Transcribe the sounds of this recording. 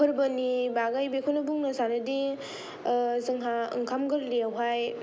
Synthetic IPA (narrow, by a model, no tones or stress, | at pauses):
ɯɾbənibaɡajbekʰunɯbuŋnasaɾɯdi | zɯŋɦaɯ̰ŋkʰamɡɯɾliawɦaj